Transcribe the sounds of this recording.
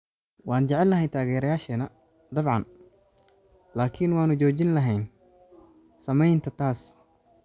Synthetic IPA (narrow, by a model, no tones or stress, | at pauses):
wɑːnt͡ʃɛʕɛlːɐɦɛjt̪ʰaːɣɛːɾɐjaːʃɛnɐ | d̪ɐbʕɑ̰n | laːkʰɪnwaːnʊt͡ʃɔːt͡ʃɪnlɐɦɛjn | sɐmɛjnt̪ʰɐt̪ʰaːs